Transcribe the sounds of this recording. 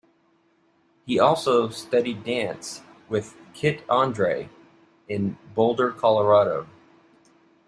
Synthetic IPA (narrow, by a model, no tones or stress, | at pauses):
hiɔlˠsoʊstʌɾidæ̃ns | wɪð̥kʰɪɾɑ̃ndɹeɪ | ɪ̃nboʊlˠdə˞kʰɑlˠə˞ɑɾoʊ